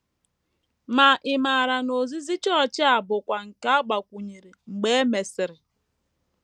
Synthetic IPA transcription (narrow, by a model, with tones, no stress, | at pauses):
ma˨ʔɪ˨ma˨ɾa˨no˨zi˦zi˦t͡ʃt͡ʃɪ˦a˨bʊ˨kʷa˨ŋ̩˨ka˦a˦ɡ͡ba˨kʷu˨ɲe˨ɾe˨ŋ͡m̩˨ɡ͡be˦e˦me˨sɪ˨ɾɪ˨